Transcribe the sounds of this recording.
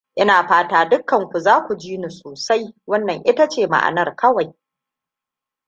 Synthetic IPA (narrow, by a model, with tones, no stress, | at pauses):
ʔɪ˦naː˨ɸaː˦taː˦dʊ˦kːɐ˨ŋkʷu˨zaː˦kʷu˨d͡ʒiː˦ni˨soː˨sa˦jwɐ˦nːɐ˨ŋʔɪ˦ta˦t͡ʃeː˦˨ma̰˨ʔa̰˨nɐ˦rkɐ˦wa˨j